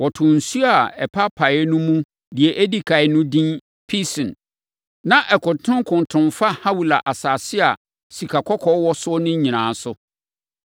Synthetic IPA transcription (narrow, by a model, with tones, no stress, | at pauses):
wɔ˨tʰʊ̃˨n̩˨su˦a˨ɛ˨pʰa˦pʰa˨ɛ˦nũ˦mũ˦ | di˨ɛ˨ʔe˦di˦kʰa˨ɪ˨nʊ̃˦dĩ˦n | pʰi˦sɪ̃˨n | nã˦ʔɛ˨kʊ̃˨tʰʊ̃˦ŋ˦kʰʊ̃˨n˨tʰʊ̃˨nfa˦ha˦wu˨la˨ʔa˨saː˨sɪ˦a˨ | si˨kʰa˨kʰɔ˦kʰɔ˦wɔ˦sʊ˦ɔ˦nʊ̃˦ɲĩ˨nãː˨˦sʊ˦